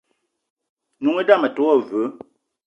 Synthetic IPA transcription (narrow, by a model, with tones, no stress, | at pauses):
nu˨ŋe˦da˦˨mə˨to˨˦ɔ˦˨və˨˦